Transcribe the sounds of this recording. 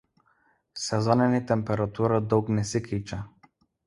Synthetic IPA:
sɛzɔnɛnit̪ɛmpɛɾat̪uɾad̪ɔwknɛsɛkit͡ʃa

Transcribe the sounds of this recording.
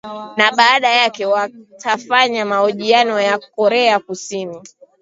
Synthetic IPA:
naɓaːɗajakɛwatʰafaɲamaɔʄianɔjakɔɾɛakusini

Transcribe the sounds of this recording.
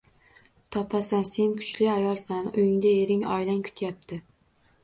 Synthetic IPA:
t̪ʰɒpʰasanse̞nkʰʊ̥t͡ʃlɪajɒlˠsanʊjɪŋd̪aeɾɪŋɒjlankʰʊ̥t̪ʰjap̚t̪ʰɪ

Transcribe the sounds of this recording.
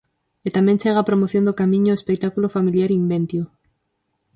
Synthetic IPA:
et̪ament͡ʃeɣ̞apɾomoθjond̪okamĩɲoespek̚t̪akulofamiljaɾimbẽnt̪ju

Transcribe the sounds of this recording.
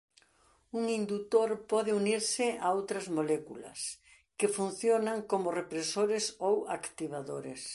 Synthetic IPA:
uŋind̪ut̪oɾpɔðɪuniɾsɪaowt̪ɾɐzmolɛkulɐ̰s | kɪfun̟θjonaŋkomʊrepɾesoɾɪsowakt̪iβaðoɾes

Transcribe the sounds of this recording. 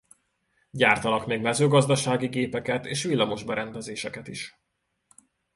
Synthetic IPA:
ɟaːrt̪ɒnɒkmeːɡmɛzøːɡɒzd̪ɒʃaːɡiɡeːpɛkɛt̪eːʃʋilːɒmo̞ʒbɛɾɛnd̪ɛzeːʃɛkɛt̪iʃ

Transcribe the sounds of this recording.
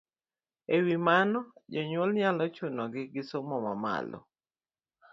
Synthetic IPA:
ewimanɔd͡ʒɔɲwɔlɲalɔt͡ʃʊnɔɡɪɡɪsomɔmama̰lɔ̰

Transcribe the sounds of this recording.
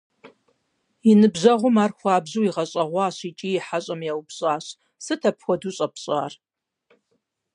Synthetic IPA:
inɨbʑɐʁʷʊmaːrxʷɑːbʑuwiʁɐɕʼɐʁʷɑːɕit͡ʃʼiːjɪħaɕʼɐmjawpɕʼaːɕ | sɨtʰɐpxʷɔduːɕʼɐpʰɕʼa̰ːr

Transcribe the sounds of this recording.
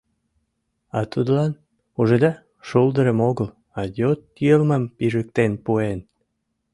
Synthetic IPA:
ɑt̪ud̪lɑn | uʒed̪ɑ | ʃuld̪əɾəmoɣəl | ɑjot̪jəlməmpiʒək̚t̪enpuen

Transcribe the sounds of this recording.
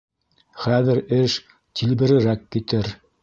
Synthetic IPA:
χæðɘɾɘʃ | t̪ilbɘ̆ɾɘ̆ɾækːit̪ɘɾ

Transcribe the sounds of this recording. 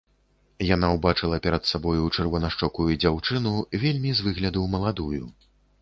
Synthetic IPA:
janawbat͡ʂɨlˠɐpʲɛɾɐt̪sabɔjut͡ʂɨrvɔnɐʂt͡ʂɔkujud͡zʲawt͡ʂɨnuvʲelʲmʲizvɨɣlʲɐd̪uwmɐlˠad̪ujṵ

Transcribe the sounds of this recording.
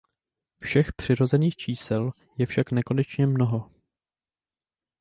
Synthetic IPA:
fʃɛxpr̝̥ɪɾo̞zɛniːxt͡ʃiːsɛl | jɛfʃaknɛko̞nɛt͡ʃɲɛmno̞ɦo

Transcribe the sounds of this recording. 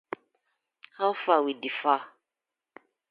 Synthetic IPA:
hafawidifa

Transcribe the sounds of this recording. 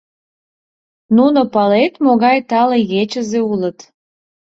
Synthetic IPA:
nunopɑlet̪moɣɑjt̪ɑlejet͡ɕəzeulət̪

